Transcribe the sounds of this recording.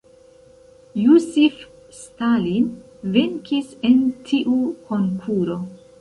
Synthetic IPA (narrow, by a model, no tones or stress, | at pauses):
jusif | stalin | veŋkise̞ntʰiʔukʰo̞ŋkʰuɾo̞